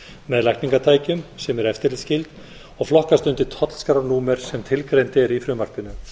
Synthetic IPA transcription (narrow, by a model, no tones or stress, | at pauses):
mɛðlajkniŋkat̪ʰaːjcʏmsɛmɛɾɛft̪ɪɾlɪscɪlt̪ | ɔɣflɔhkast̪ʏnt̪ɪt̪ʰɔt̪l̥skɾanuːmɛɾ̥sɛmt̪ʰɪlkɾejnt̪ɪɛɾifɾʏːmar̥pɪnʏ